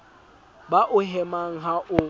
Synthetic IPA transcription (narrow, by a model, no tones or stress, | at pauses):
baʔʊɦɛmaŋ̩ɦaʔʊ